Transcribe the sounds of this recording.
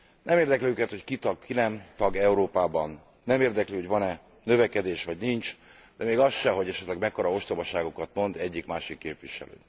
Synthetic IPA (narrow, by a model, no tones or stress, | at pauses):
nɛmeːrd̪ɛklyøːkɛt̪ho̞ckit̪ɒɡkinɛmt̪ɒɡɛuɾoːpaːbɒnː | ɛmeːrd̪ɛklyːho̞ɟvɒnɛ | nø̞vɛkɛd̪eːʃʋɒɟnint͡ʃ | d̪ɛmeːɡɒsʃɛɦo̞ɟɛʃɛt̪lɛɡmɛkːoɾɒo̞ʃt̪obɒʃaːɡo̞kɒt̪mo̞nd̪ɛɟːikmaːʃikːeːpviʃɛ̰lø̰ː